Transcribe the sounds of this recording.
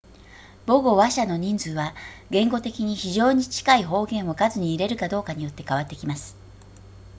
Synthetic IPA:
bo̞ɡo̞βaɕano̞ɲ̟ĩnd͡zɨːβaɡẽ̞ŋɡo̞t̪e̞kʲiɲ̟içiʑo̞ːɲ̟it͡ɕi̥kaiɦo̞ːɡẽ̞ɰ̃o̞kazɨɲ̟iːɾe̞ɾɯ̟kad̪o̞ːkaɲ̟ijo̞t̪ːe̞̥kaβat̪ːe̞kʲimasɨ̥

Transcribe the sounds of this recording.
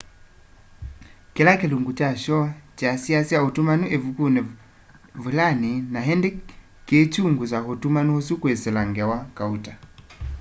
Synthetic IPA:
kɛlakiluŋɡut͡ʃaʃɔt͡ʃasiasiautumanuʔɛvukunɛ | vulaninaɦɛndɛ | ket͡ʃuŋɡusaɦotumanuhɔsukwɛsɛlaŋɡawakauta

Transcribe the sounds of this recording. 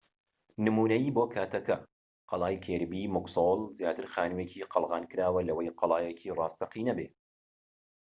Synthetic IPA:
nɨmuːnɐjiːboːkʰaːt̪ʰɐkɐ | qɑlˠɑːjkʰeːɾbiːmʊɡsolˠzjaːt̪ɨɾxaːnɨweːcʰiːqʰɑlˠɣɑːnkɨɾaːwɐlɐwɐjqʰɑlˠɑːjekʰiːrɑːst̪ɐqiːnɐbeː

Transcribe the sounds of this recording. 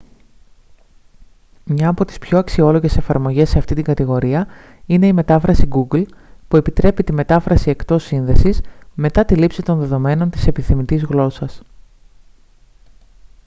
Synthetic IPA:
mɲɐːpo̞t̪i̥spço̞ɐksio̞lo̞ʝe̞se̞fɐɾmo̞ʝe̞se̞ɐft̪it̪iŋɡɐt̪iɣo̞ɾiɐ | ine̞ime̞t̪ɐfɾɐsiɡuɡlpue̞pit̪ɾe̞pit̪ime̞t̪ɐfɾɐsie̞kt̪o̞sːinðe̞sisme̞t̪ɐt̪ilipsit̪o̞nðe̞ðo̞me̞no̞nt̪i̥se̞piθimit̪izɣlo̞sɐs

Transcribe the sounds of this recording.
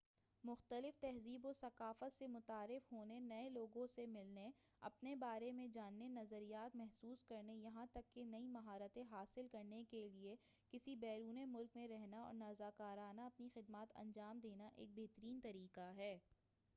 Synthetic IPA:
mʊxt̪əlɪft̪ɛɦziːbosɐkaːfət̪semʊt̪aːɾɪfɦoːnenɐẽloːɡõsemɪlne | ɐ̰pnebaːɾemẽd͡ʒaːnːenɐzəɾijaːt̪mɛɦsuːskɐɾnejɐɦãt̪ɐkːenɐimɐɦaːɾət̪ẽɦaːsɪlkɐɾnekelie | kɪsibɛːɾuːnemʊlkmẽɾɛɦnaɔ̰ːɾnaːzaːkaːɾaːnaɐpnixɪd̪maːt̪ɐ̰̃ɲd͡ʒaːmd̪eːnaʔḛːk̚beɦt̪əɾiːnt̪ɐɾiːqaɦɛː

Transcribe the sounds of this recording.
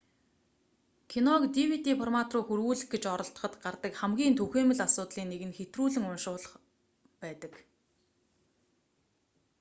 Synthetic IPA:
kʰinɔkt̪iwit̪ifɔrmat̪rʊːxurɣuːɮɘ̆xɡet͡ɕɔɾɞ̆ɬt̪ə̥̆χə̆t̪ɢart̪ə̆kχæmɡʲiːnt̪ʰuxeːmɘ̆ɮasʊːt̪ɮiːnːeɣɘ̆nxet̪ruːɮɘ̆ŋʊnʃʊːɮə̆χ | pæːt̪ə̆k

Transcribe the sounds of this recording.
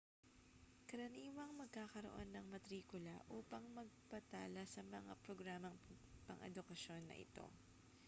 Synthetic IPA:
kɐɾɐniːwɐŋmɐɡ̚kaːkɐɾo̰ʔo̞̰nːɐŋmɐt̪ɾiːkʊlɐ̰ʔuːpɐŋmɐɡ̚pɐt̪aːlɐsɐmɐŋa̰pɾoɡɾaːmɐŋpɐ̰ŋʔɛ̰d̪ʊkɐʃo̞nːɐ̰ʔɪ̰t̪o̞̰

